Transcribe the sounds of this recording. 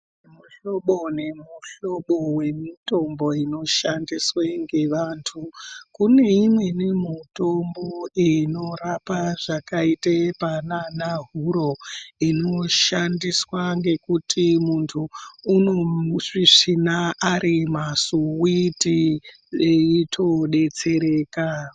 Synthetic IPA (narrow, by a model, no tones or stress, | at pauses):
muɬo̞ɓone̞muɬo̞ɓowe̞mito̞mbo̞ino̞ʃandisweŋɡe̞ʋaːntʰukune̞imwe̞nemito̞mboino̞rapaʐakaitepananaɦuɾo̞inoʃandiswaŋɡe̞kutimuntʰuːnoʐiʂinaʔaɾimasuwiti | eitʰoɗe̞t͡se̞ɾeːka